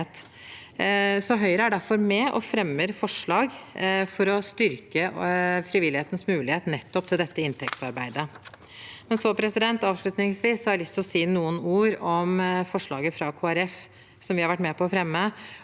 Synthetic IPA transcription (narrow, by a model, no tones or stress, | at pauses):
t̪ | sɔɦœʏɾəæɖæɾfɔɾmɛʔɔ̰fɾɛmːəɾfɔʂɭɑːɡfɔɾɔst̪ʏɾkəfɾɪʋɪlɪheːt̪ən̩smʉːlɪheːt̪nɛt̪ːɔpt̪ʰɪld̪ɛt̪ːəɪnt̪ʰɛkt̪sɑ̰ɾbæ̰ɪd̪ə | mɛnsɔpʰɾɛsɪd̪ɛnt̪ɑːʋʂɭʉt̪nɪŋsʋiːsːɔhɑɾælɪst̪ʰɔsiːnuːənuːɾɔmfɔʂɭɑ̰ːɡəfɾɑkʰoːæɾɛf | sɔmʋɪhɑɾʋæʈːmɛpɔfɾɛmːə